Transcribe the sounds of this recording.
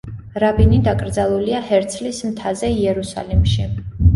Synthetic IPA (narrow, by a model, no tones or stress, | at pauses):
ɾabinid̪akʼɾd̪zalˠuliahɛɾt̪sʰlismt̪ʰazɛiɛɾusa̰limʃi